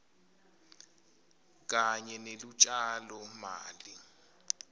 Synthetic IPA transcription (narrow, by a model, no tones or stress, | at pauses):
k̬ʼaɲɛnelut͡ʃʼalɔma̰ːli